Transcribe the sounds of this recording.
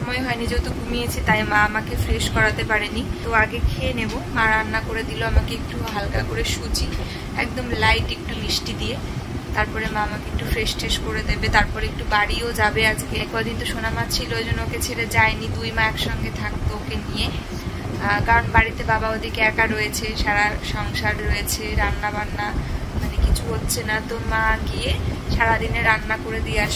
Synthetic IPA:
ʃɔmɔeɦɔenid͡ʑot̪oɡumijet͡ɕʰit̪ajmãamakefɾeʃkɔɾat̪epaɾenit̪oaɡekʰeenebomaɾanːakoɾed̪iloamakeek̚ʈuɦalkakoɾeʃut͡ɕi | ɛ̰kd̪omlajʈek̚ʈuliʃʈid̪ie | t̪aɾpɔɾemaamakeek̚ʈufɾeʃʈʰeʃkoɾed̪ebet̪aɾpɔɾek̚ʈubaɽiod͡ʑabead͡ʑkekad̪int̪uʃonamat͡ɕʰiloed͡ʑonooket͡ɕʰeɾed͡ʑaenit̪ujmaɛkʃɔŋɡet̪ʰak̚t̪ookenije | ɡaonbaɽit̪ebabaod̪ʱikeɛkaɾojet͡ɕʰeʃaɾaʃɔŋʃaɾɾɔjet͡ɕʰeɾanːabanːamanekit͡ɕʰuɦotːɕʰenat̪omaɡieʃaɾad̪ineɾanːakoɾed̪ieaʃ

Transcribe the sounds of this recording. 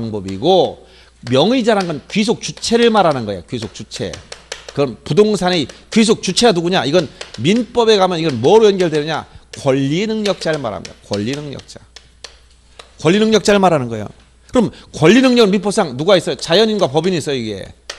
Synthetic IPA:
ŋbʌbiɡo | mjʌŋid͡ʑaɾanɡʌnkɥis̬ʰok̚t͡ɕut͡ɕʰe̞ɾɯɭmaɾanɯnɡʌejokɥisʰok̚t͡ɕut͡ɕʰe̞̰kɯɾʌnpudoŋsʰanekɥis̬ʰok̚t͡ɕut͡ɕʰe̞ɡanuɡuɲaʔiɡʌnminp͈ʌbe̞kamjʌniɡʌnmʌɾuenɡjʌɭdwenɯɲa̰kwʌʎːinɯŋɲʌk̚t͡ɕ͈aɾɯɭma̰ɾɦa̰mɲida̰kwʌʎːinɯŋɲʌ̰k̚t͡ɕ͈a̰ | kwʌʎːinɯŋɲʌk̚t͡ɕ͈aɾɯɭmaɾɦanɯnɡʌejo̰ | kɯɾʌmkwʌʎːinɯŋɲʌɡɯnmip̬͈ʌp̚s͈aŋnuɡais͈ʌjot͡ɕajʌɲinɡwapʌbinis͈ʌjoiɡe̞̰

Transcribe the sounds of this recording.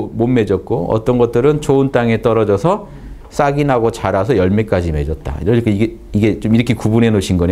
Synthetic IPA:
monme̞d͡ʑʌt̚k͈oʌ̰t͈ʌnɡʌt̚t͈ɯɾɯnt͡ɕount͈aŋe̞t͈ʌɾʌd͡ʑʌsʰʌ | s͈aɡinɦaɡot͡ɕaɾasʰʌjʌɭmek͈ad͡ʑime̞d͡ʑʌt̚t͈a̰iɾʌk͈ʰaiɡe | iɡe̞t͡ɕomiɾʌkʰe̞kubunɦe̞noɕʰinɡʌn

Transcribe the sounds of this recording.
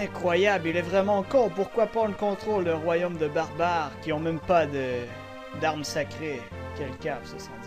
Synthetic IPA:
ɛ̃kχwajablilɛvʁɛmɑ̃ːkɔ̃ʁpuʁkwapχɑ̃d̪əkɔ̃t̪χolɛ̃ʁwajomd̪əbaʁbaʁkʲiɔ̃mɛmpad̪ə | d̪aʁmsakχe | kʲɛlkʲavsəsɑ̥t̪

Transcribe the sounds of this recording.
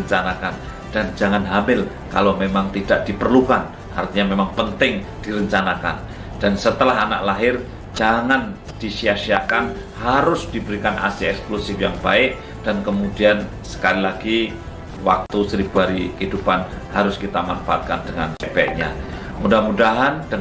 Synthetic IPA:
əɲt͡ʃanakan | d̥and͡ʒaŋanɦambɪl | ka̰lomemaŋt̪idaʔ̚d̥ipərlukan | ʔa̰rt̪iɲamemaŋpənt̪ɪŋd̥iɾəɲt͡ʃanaka̰n | d̥ansət̪əlaɦana̰ʔlaɦɪr | d͡ʒaŋan | d̥iʃiasiakan | haɾʊsd̥ibəɾikanʔa̰sɪɛksklusɪfjaŋbaɪk̚ | d̥ankəmudian | sə̥kalilaɡi | wak̚t̪usəɾibuɦaɾikəɦidupan | haɾʊskit̪amanfaa̰t̪̚kandəŋa̰nbɛ̰ʔɲa̰ | mudamudaɦanda

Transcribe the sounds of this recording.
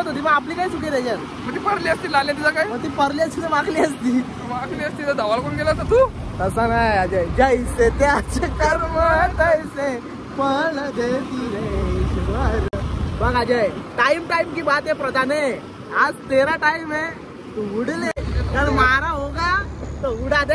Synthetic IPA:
ot̪ot̪̬iməɡap̬liːkaiːt͡sukeɾed͡ʑan | m̤əɳt̪iːpəɾliəst̪iːlaljãt̪id͡zakaiməɡt̪iːpəɾlat͡sʰit̪eʋakliəst̪iː | ʋakʰliːəst̪iːt̪əd̪aʋalkoɳɡelat̪ət̪uːt̪əsanaad͡ʑajd͡ʑaiset̪eat͡ɕakəɾməd͡zajse | pəɳd̪et̪iɾaseaɾbakad͡ʑajʈaimʈaimkiːbat̪epɾəd̪ane | ad͡zt̪eɾaʈaime | t̪uɦuɽlekaɳmaɾaɦoɡat̪əuɽad̪e

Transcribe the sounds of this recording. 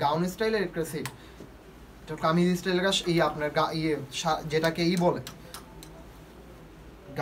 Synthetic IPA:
ɡawnisʈajleɾkɾesiʈ | ʈakamid̪isʈajleɾaʃejapnaɾɡaʔieʃad͡ʑeʈakeejbɔle | ɡ

